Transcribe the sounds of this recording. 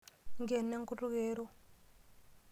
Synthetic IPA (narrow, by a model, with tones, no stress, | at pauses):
ŋɡɛ˨ne˦ŋku˦ru˦ɣeː˦ɾɔ˦